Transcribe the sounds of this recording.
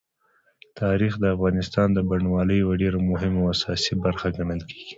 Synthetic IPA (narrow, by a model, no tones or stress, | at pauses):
t̪ʰɑɾixd̪əafɣɑnɪst̪ɑnd̪əbaɳwɑləjwəɖeɾomʊɦɪmoasɑsibaɾxaɡaɳəlkʰe̥ɡ̥i̥